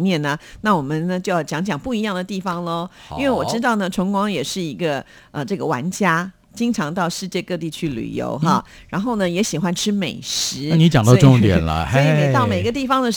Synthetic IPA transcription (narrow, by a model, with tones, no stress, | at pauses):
mjɛ˥˩nə˩na˥˩wɔ˨˩mə˨˦nnə˦t͡ɕjo˥˧ʊjɑ˥˩t͡ɕjɑ˧˥ŋt͡ɕjɑ˨˩ŋpu˥˩i˧˥jɑ˥˩ŋd̪ə˩t̪i˥˩fɑ˨˩ŋlə˧i˥nwe˥˩ɪwɔ˨˩ʈ͡ʂɻ̩˥t̪ɑ˥˩ʊnə˩ʈ͡ʂʰʊ˧˥ŋkwɑ˥ŋjɛ˨˩ʂɻ̩˥˩i˧˥ɡə˧ | ə˧ʈ͡ʂɤ˥˩ɡə˩wa̰˧˥nt͡ɕja˥ | t͡ɕi˥ŋʈ͡ʂʰɑ˧˥ŋt̪ɑ˥˧ʊʂɻ̩˥˧t͡ɕjɛ˥˧kɤ˥˧t̪i˥˩t͡ɕʰy˥˩ly̰˨˩jo̰˧˥ʊxɐ˥˧ | ɻa˧˥nxo˥˩ʊnə˩jɛ˧˥ɕi˨˩xwa˥nʈ͡ʂʰɻ̩˥me˨˩ɪʂɻ̩˧˥ni˦˥t͡ɕjɑ˨˩ŋt̪ɑ˥˧˥ʈ͡ʂʊ˥˧ŋt̪jɛ̰˨˩nlə̰˦˥i˨t̪ɑ˥˩ʊme˨˩ɪ˧ɡə˧t̪i˥˩fɑ˩ŋd̪ə˨